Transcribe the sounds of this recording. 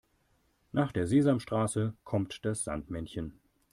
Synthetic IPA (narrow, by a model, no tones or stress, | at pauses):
nʔaːχd̥eːɐzeːzamʃtʁ̥aːsəkʰɔmtd̥asz̥a̰ntmɛnçən